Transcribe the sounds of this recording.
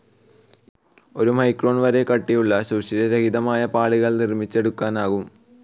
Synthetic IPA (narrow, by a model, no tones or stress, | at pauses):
o̞ɾumɐjkroːɳʋɐɾe̞kɐʈːijuɭːɐɕuːɕiɾɐɾehiðɐmaːjɐpaːɭiɣɐɭnirmit͡ɕːe̞ɽukːaːnaːɣum